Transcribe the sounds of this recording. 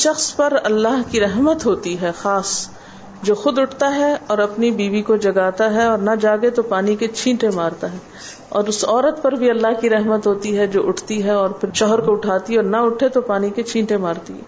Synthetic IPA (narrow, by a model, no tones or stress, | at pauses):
ʃɐxspɐɾɐlːaːɦkiɾɛɦmət̪ɦoːt̪iɦɛxaːs | d͡ʒoːxʊd̪ʊʈʰt̪aɦɛɔːɾɐpnibiːʋikod͡ʒɐɡaːt̪aɦɛɔːɾnɐd͡ʒaːɡet̪opaːniket͡ʃʰĩːʈemaːɾt̪aɦɛː | ɔ̰ːɾʊsɔːɾət̪pɐɾbʱiɐlːaɦkiɾɛɦmət̪ɦoːt̪iɦɛd͡ʒo̰ːʔʊʈʰt̪iɦɛɔːɾpʰɪɾʃɔːɦəɾkoʊʈʰaːt̪iɔːɾnɐʊʈʰet̪opaːniket͡ʃʰĩːʈemaːɾt̪iɦɛ̰ː